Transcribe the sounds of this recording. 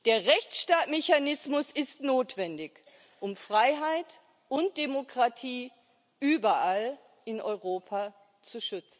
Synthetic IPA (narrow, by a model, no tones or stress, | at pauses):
d̥eːɐʁɛçt͡sʃtaːtmeçanɪsmʊsɪstnoːtv̥ɛndɪç | ʔʊmfʁ̥aɪɦaɪt | ʔʊnt̚d̥emokʁ̥atʰiː | ʔyːbɐʔal | ʔɪnʔɔ̰ʏʁoːpʰa | t͡suʃʏt͡sn̩